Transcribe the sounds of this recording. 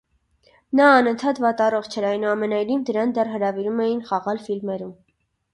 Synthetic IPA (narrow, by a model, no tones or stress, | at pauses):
nɑːnənt̪ʰɑt̪vɑt̪ɑrɔχt͡ʃʰɛɾɑjnuɑmɛnɑjnivd̪əɾɑnd̪ɛrɦəɾɑviɾumɛjinχɑʁɑlfilmɛɾum